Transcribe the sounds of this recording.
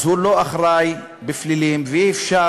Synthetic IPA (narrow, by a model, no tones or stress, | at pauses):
huloaχɾaj | beflilimveiːfʃa